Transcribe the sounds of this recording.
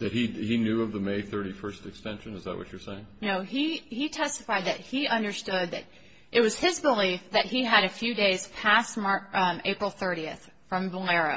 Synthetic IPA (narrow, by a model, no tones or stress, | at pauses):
ðɨt̚hihinjʉʌvðəmeɪθɜ˞ɾifɜ˞stɨkstɛ̃nʃɨ̃nɨzðə̰ʔ̚wʌ̰t͡ʃə˞seɪɪ̃ŋnoʊiitʰɛstəfaɪd̪̚ðɨt̚hiʔʌ̃ndə˞stʊd̪̚ðɨ̰ɾ | ʔɨt̚wʌz̥ɪzbəlifðɨt̚hiɨɾɨfjʉdeɪz̥pʰæst̚mɑɹeɪpɹl̩ˠθɜ˞ɾiɨθ | fɹʌ̃mbəlɛɹɨ